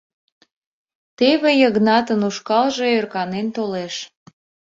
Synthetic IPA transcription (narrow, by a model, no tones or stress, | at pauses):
t̪eβejəɣnɑt̪ənuʃkɑlʒeørkɑnent̪oleʃ